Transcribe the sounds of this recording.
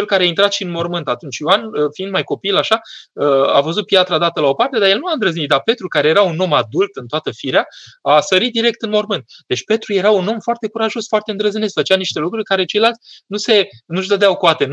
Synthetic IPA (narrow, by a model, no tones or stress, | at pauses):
t͡ʃe̞lkaɾeaint̪ɾat̪ʃiɨnmo̞rmɨnt̪at̪unt͡ʃʲjoanəfiind̪majko̞pilaʃaəa̰vəzut̪̚pjat̪ɾad̪at̪əlao̞part̪e̞d̪ajelnuaɨnd̪ɾəznit̪̚d̪arpe̞t̪ɾukaɾe̞jeɾauno̞mad̪ult̪ɨnt̪oat̪əfiɾeaasəɾit̪̚d̪iɾe̞k̚t̪ɨnmo̞rmɨnt̪d̪̥et͡ʃʲpe̞t̪ɾuje̞ɾauno̞mfoart̪e̞kuɾaʒo̞sfoart̪e̞ɨnd̪ɾəzinest̪fət͡ʃaniʃt̪e̞lukɾurʲkaɾe̞t͡ʃe̞jlalt̪sʲnuse̞nuʒd̪əd̪eawkoat̪e̞n